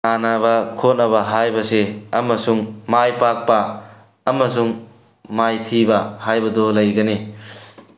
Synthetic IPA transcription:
anabɐkʰot̚nɐβɐɦajbɐseɐmɐsuŋmajpak̚pɐː | mɐs̬uŋ | majtʰibɐhajbɐdɔlɐjɡɐne

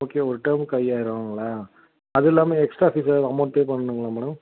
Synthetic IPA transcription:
oːkːeːɔɾɯʈɐɾmkɐjaːɪɾɐʋaŋɡɐɭaː | ɐðɛlːaːmẽːɛksʈɾaːfiːsaɐmɐːɽpeːpɐɳːɐɳɯŋɡɐɭaːmɛːɽɐm

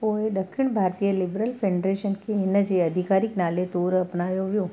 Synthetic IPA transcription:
poed̪əkʃɪɳbʱaɾt̪ijəlibɾəlfeɖɾeʃənkʰeːnəd͡ʒeəd̪ʱikaɾiknalet̪oɾəpnajoʋjõ

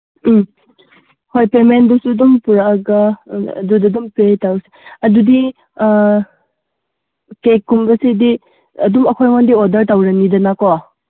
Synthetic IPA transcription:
hojpeɾmendɔsudumpuɾaːɡɐ̰dudɐdumpetawse̥ɐdudi | kekːumbɐsidi | ɐdumɐkʰojŋɔndiodɐɾtawɾɐnidɐnakowa

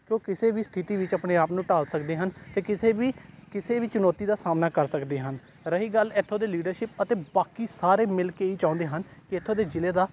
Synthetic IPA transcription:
koːkɪseːʋiːst̪ʰɪt̪iːʋɪt͡ʃapɽeːaːpnũːʈaːlsəkd̪eːɦənt̪eːkɪseːʋiːkɪseːʋiːt͡ʃʊnoːt̪iːd̪aːsaːmnaːkəɾsəkd̪eːɦən | ɾəɦiːɡəlɪt̪ʰːõːd̪eːliːɖəɾʃɪp̚ət̪eːbaːkiːsaːɾeːmɪlkeːiːt͡ʃãːʊ̃ːnd̪eːɦənkɪɪt̪ʰːõːd̪eːd͡ʒɪleːd̪aː

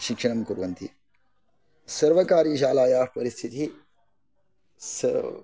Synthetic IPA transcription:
ʃikʂɐɳɐmkuɾuʋɐnt̪i | sɐɾʋɐkaːɾiːʃaːlaːjaːpɐɾist̪ʰit̪ʰi | sɐ

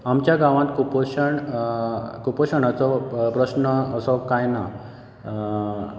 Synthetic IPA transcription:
amt͡ɕjaɡaʋãt̪kupoɕəɳ | kupɔɕəɳat͡sɔpɾəɕnəəsɔkajna

